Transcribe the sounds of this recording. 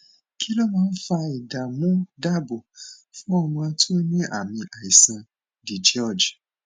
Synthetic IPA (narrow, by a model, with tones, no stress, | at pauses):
kʰi˦lo˦mãː˦˧˦n̩˦fa˧i˨da˨mũ˦da˦bo˨fũ˦ɔ˧mã˧a˧˦tʰo˦ɲĩ˦ʔa˨mĩ˧ʔa˨i˨sã˧ | di˨d͡ʒɔ˦˨d͡ʒ